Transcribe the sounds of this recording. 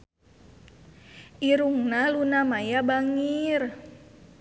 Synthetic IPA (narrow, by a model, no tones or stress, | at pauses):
ʔiɾuŋnalunamajabaŋir